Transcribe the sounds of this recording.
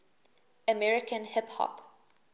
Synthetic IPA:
əmɛɹɪkə̃nhɪphɔ̰p

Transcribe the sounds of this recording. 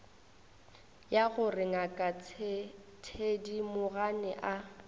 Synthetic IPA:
jaɣʊrɪŋakʼa | tʰedimʊɣanɪʔa

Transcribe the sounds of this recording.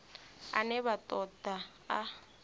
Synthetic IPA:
a̰nɛbatʼɔda | a

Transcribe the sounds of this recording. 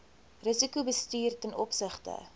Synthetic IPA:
rəsikubəstyːrtɛnʔɔpsəχtə̰

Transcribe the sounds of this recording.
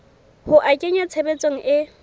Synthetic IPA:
hʊʔakʼeɲat͡sʰebet͡sʼoŋ̩ʔɪ

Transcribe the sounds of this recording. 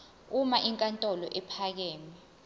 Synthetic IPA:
umaʔiŋkʼantʼɔlɔʔɛpʰak̬ɛːmɛ

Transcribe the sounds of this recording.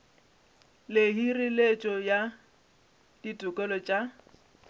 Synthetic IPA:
leɦirilet͡ʃʼɔja | d̥itʼʊkʼɔlɔt͡ʃʼa

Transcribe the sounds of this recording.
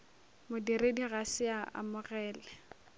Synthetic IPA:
mʊdiɾediɣasɪaʔa̰mʊɣɛːlɛ

